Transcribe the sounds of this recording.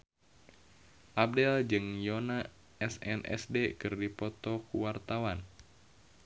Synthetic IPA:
ʔab̚dɛld͡ʒɨŋjona | ɛsɛ̰nʔɛ̰sdekɨrdipɔt̪ɔkuwart̪awan

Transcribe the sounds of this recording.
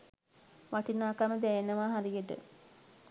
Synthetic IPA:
ʋaʈinaːkaməd̪ɛjenəʋaɦaɾijəʈə̰

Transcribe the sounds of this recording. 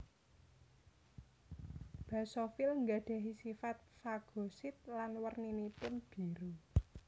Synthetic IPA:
b̥ä̤sofɪlŋɡaɖ̥ä̤ɦisifat̪̚faɡ̥o̤sɪt̪̚lanwərninipʊnb̥i̤ɾu

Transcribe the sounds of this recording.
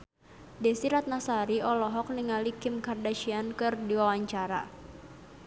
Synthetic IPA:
dɛsiɾat̪̚nasaɾiɔlɔɦɔk̚niŋalikɪmkardaʃiankɨrdiwawaɲt͡ʃaɾa̰

